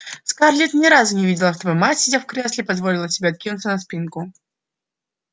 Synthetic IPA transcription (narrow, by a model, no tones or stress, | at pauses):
skarlʲit̪nʲɪɾazʊnʲɪvʲidʲɪlˠɐft̪əbɐmatʲsʲɪdʲafkɾʲeslʲɪpɐzvolʲɪlˠəsʲɪbʲeɐt̪̚kʲinʊt̪sənɐspʲinkʊ